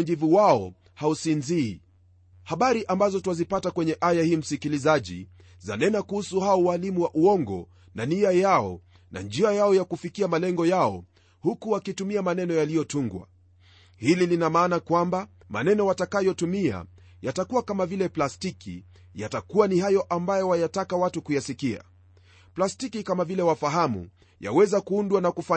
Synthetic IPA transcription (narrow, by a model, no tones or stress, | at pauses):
ʄivuwaɔ | hausinziː | haɓaɾiʔambazɔtuwazipatakwɛɲɛʔajahiːm̩sikilizaʄḭ | za̰nɛnakuhusuhaɔwalimuwaʔuɔŋɡɔ̰ | naniajaɔ̰ | nʔa̰nd͡ʒiajaɔjakufikiamalɛŋɡɔjaɔ̰ | hukuwakitumiamanɛnɔjalijɔtuŋɡwa̰ | hililinamaːnakwamba | ma̰nɛnɔwatakajɔtumia̰ | jatakuwakamavilɛplastikḭ | jatakuwanihajɔʔambajɔwajatakawatukujasikia̰ | plastikikamavilɛwafaɦamṵ | ja̰wɛzakuundwanakufa